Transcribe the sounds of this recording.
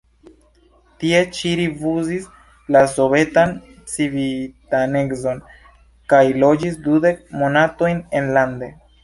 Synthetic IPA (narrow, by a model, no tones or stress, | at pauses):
tie̞t͡ʃiɾivuzis | laso̞ve̞tan | t͡sivitaneɡzo̞n | kajlo̞d͡ʒisdude̞k̚mo̞nato̞jne̞nlande̞